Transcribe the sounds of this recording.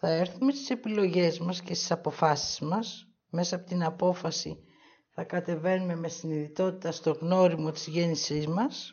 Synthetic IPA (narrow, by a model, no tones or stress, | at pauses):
θɐe̞ɾθume̞st̪i̥se̞pilo̞ʝe̞zmɐsce̞st̪i̥sɐpo̞fɐsi̥zmɐs | me̞sɐpo̞t̪inɐpo̞fɐsḭ | θɐkɐt̪e̞ve̞nume̞me̞siniðit̪o̞t̪it̪ɐst̪o̞ɣno̞ɾimo̞t̪izʝe̞nisizmɐs